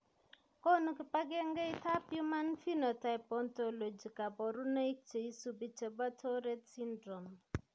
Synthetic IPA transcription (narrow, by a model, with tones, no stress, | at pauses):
kɔ˦nu˦kɪ˨pa˦ɡe˦ŋɡɛ˦i˦ta˦pju˦ma˦nfi˦nɔ˨ta˨ɪ˨pɔ˨nto˨lo˨d͡ʒi˨ka˨bɔ˨ɾu˦na˦i˦k̚t͡ʃe˨i˦su˦bi˦t͡ʃe˨ba˦tʰɔ˦ɾɛ˦tsi˦ndɾo˨m